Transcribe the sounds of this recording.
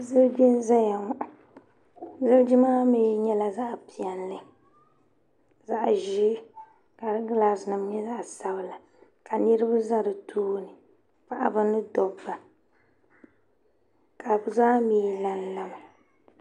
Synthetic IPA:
zɨ˦lbɛ˦n˦za˦ja˨ŋɔ˨ʔa˨ | zɨ˦ld͡ʒi˦maː˦me˦ɲɛ˦la˨za˦ʔpi˨ɛ˨nːɨ˦ | za˦ʔʒi˦ | ka˨˦ɡla˨˦snɨ˨m˦ɲɛ˦za˦ʔsa˦bla˨ | ka˨nɨ˦ɾɨ˦bɨ˦za˦dɨ˨tʰuː˦nɨ˨ | k͡pa˨ʔa̰˦bɨ˦nɨ˦dɔ˨ba˨ | ka˨bzaː˦miː˦la˨n˦la˦ma˨

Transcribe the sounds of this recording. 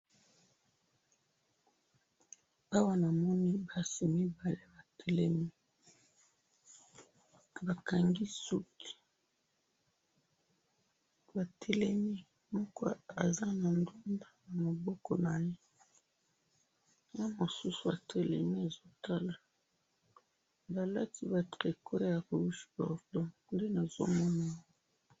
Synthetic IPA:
a˦wa˦na˨mɔ˦ni˦ba˨si˨mi˦ba˨le˦ba˨tʰɛ˦lɛ˦mi˦ | ba˨ka˨ŋɡi˦su˦ti̥˨ | ba˨tʰɛ˦lɛ˦mi˦ | mɔ˦kɔ˦a˨za˦na˨ndu˦nda˦na˨mo˨bɔ˦kɔ˦na˨je˦ | ja˦mo˨su˦su˨a˨tʰɛ˦lɛ̰˨ni˦a˨zo˦ta˦la˨ | ba˨la˦ti˦ba˨tʁe˨ko˦ja˨ko˨u˦ʃi̥˦bɔ̰˨ʁdɔ˦nde˦na˨z̥o̰˦mɔ˦na˨˦

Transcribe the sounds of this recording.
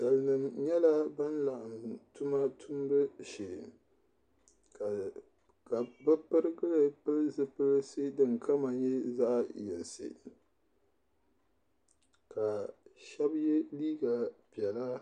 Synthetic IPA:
d̥a˨lɨ˨nɨ˨mɲɛ˦la˦ba˦nla˨ʔmtu˦ma˦tʰu˦m˦bɨ˦ʃe˨ | ka˨ | ka˨bɨ˦pɨ˦ɾɨ˦ɡɨ˦lɨ˨pɨ˦lzɨ˦pɨ˦lsɨ˦dɨ˨ŋkʰa˦ma˨ɲɛ˦za˦ʔjɛ̰˨lsɨ̰˨ | ka˨ʃɛ˦bjɛ˦liː˦ɡa˨pi˨ɛ˨la˦

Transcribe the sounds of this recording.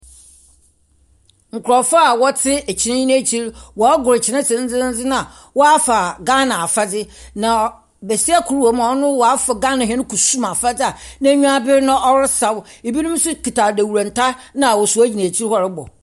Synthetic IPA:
ŋ̩˨kʰʊ˨ɾɔ˨fa˦a˨wɔ˦tʰɪ˦ɛ˨t͡ɕʰɪ˨nã˦i˦nã˦˨t͡ɕʰi˦ɾwɔ˨a˦ɡʊ˨ɾɪ˨t͡ɕʰɪ˨nã˦sɪ˨n̩˦d͡zɪ˦n̩˦d͡zɪ˦nã˦a˨ | wɔ˦a˦fa˨ɡã˦nã˨a˨fa˦d͡zɪ˦ | nã˨ | be˨si˦a˦kʰu˨ɾu˦wo˨mã˨ɔ˦nʊ̃˦wɔ˨a˦fa˨ɡã˦nã˨ɦɛ̃˦nɪ̃˦kʰu˨su˦mã˨fa˦d͡zɪ˦a˨nã˦˨˦ɲũ˦a˦bɪ˦ɾnã˦ʔɔ˦wɪ˦sa˨we˨bi˦nʊ̃˦m˦sʊ˦kʰi˨tʰa˨dæ˨wu˨ɾã˨n˨tʰa˦ | nã˨wɔ˨su˨æ˦d͡ʑi˨nã˨t͡ɕʰi˦ɾhɔ˦ɾɪ˦bɔ̰˨

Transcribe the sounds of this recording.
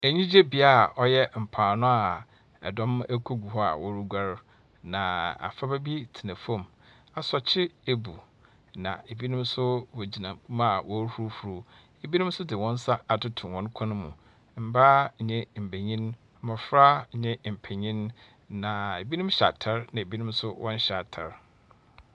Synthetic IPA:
e˨ɲĩ˦d͡ʑe˦bi˦a˦˨ɔ˦jɛ˦m̩˨pʰaː˨nʊ̃˦a˨ | ɛ̰˨dɔ̃˦mɛ˦kʰo˦ɡu˨ɦɔ˦a̰˨wɔ˦ɾu˦ɡʷa˦ɾ | nã˨a̰˨fa˦bæ˦bi˦tʰi˨nã˨fɔ̃˦˨m | a˨sɔ˨t͡ɕʰɪ˦e˨bṵ˨ | nã̰˨e˨bi˦nʊ̃˦m˦sʊ˦wɔ˨d͡ʑi˨nã˨˦ma˦˨wʔɔ˦hu˦ɾu˦fɾu˦ | e˨bi˦nʊ̃˦m˦sʊ˦dɪ˨wɔ̃˦n˦sa˦a˨tʰʊ˦tʰʊ̃˨nwɔ̃˦n˦kʰɔ̃˦nʊ̃˦mṵ̃˨ | m̩˨˦baː˦˨ɲɛ̃˦m̩˨bæ˨ɲĩ˦n˦ | mã˨fɾa˦˨ɲɛ̃˦m̩˨pʰæ˨ɲĩ˦n | nã˨e˨bi˦nʊ̃˦mɕa̰˨tʰa˦ɾnã˨e˨bi˦nʊ̃˦msʊ˦wʔɔ̃˦n˦ɕa˨tʰa˨ɾ

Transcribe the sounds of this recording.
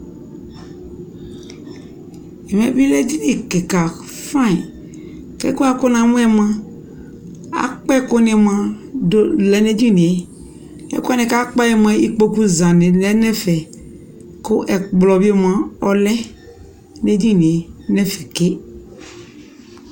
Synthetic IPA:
ɛ˨m˨ɛ̃˨bi˦lɛ˦di˦ni˨ke˨ka˨ | fã˦˨ | kɛ̰˦ko˦a˦ko˦nã˨mũ˦ɛ˦m˦ã˦ | a̰˨k͡pɛ˦kʊ˦nẽ˨mã˦do˦lɛ˦ne˦di˦nẽ˨e˦ | ɛ̰˦ku˦a˦nẽ˨ka˦k͡pa˦jɛ˨m˦ɛ̃˦i˦k͡po˦ku˦zã˨nẽ˨lɛ˦nɛ˦fɛ˨ | ko˦ʔɛ˨k͡plɔ˨bi˦˨m˦ã˦ɔ˨lɛ˦ | ne˦di˦nĩ˨e˨nɛ˦fɛ˨ke˦

